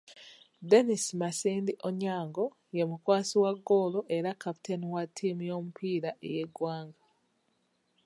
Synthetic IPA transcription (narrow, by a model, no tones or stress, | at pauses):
de̞nismasiːndiʔoɲaːŋɡo | je̞mukwaːsiwaɡːoːloʔe̞ɾakapi̥tʰe̞niwatʰːiːmijo̞ːmupʰiːɾaʔḛje̞ɡwaːŋɡa